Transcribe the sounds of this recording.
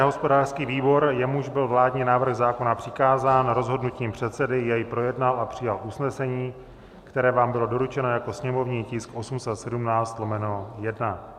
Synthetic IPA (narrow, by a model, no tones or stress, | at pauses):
ɦo̞spo̞daːr̥skiːviːbo̞ɾjɛmuʒbɪlvlaːdɲɛnaːvr̩ɣzaːko̞napr̥ɪkaːzaːnɾo̞zɦo̞dnuciːmpr̥ɛt̪sɛdɪjɛjpɾo̞jɛdnalʔapr̝̥ɪjalʔusnɛsɛɲiː | kt̪ɛɾɛːvaːmbɪlo̞do̞ɾut͡ʃɛno̞jako̞sɲɛmo̞vɲiːcɪskʔo̞sumsɛt̪sɛdumnaːt͡st̪lomɛnojɛdna